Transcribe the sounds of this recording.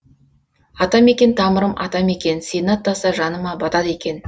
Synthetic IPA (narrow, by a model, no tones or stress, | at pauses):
ɑt̪ɑme̞kʲe̞nt̪ʰɑməɾəmʔɑ̰t̪ɑme̞kʲe̞nsʲenɑt̪ːɑsɑʒɑnəmɑbɑt̪ɑd̪ekʲe̞n